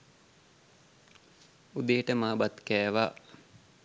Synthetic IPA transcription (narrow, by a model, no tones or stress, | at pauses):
ud̪ejəʈəmaːbat̪kɛːʋaː